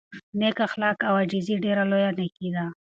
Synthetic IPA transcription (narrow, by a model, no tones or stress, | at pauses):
nekaxlɑkawad͡ʒiziɖeɾalojanekid̪a